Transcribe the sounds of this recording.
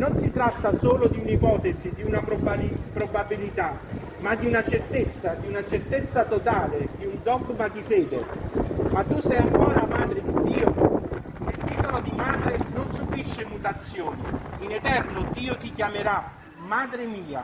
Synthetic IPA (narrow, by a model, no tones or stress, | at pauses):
nonsit̪ɾat̪ːasoːlod̪iunipɔːt̪ezid̪iunappɾobabilit̪a | mad̪ːiunat͡ʃert̪et̪sːad̪iunat͡ʃert̪et̪sːat̪ot̪aːled̪iund̪ɔɡmad̪ifɛːd̪emat̪ːusɛjaŋkɔːɾamaːd̪ɾɪd̪id̪ːiːo | nelt̪iːt̪olod̪imaːd̪ɾenonsubiʃːɪmut̪at̪sːjoːniːnɛt̪ɛrnod̪iːot̪ikjameɾa | maːd̪ɾɪmiːa̰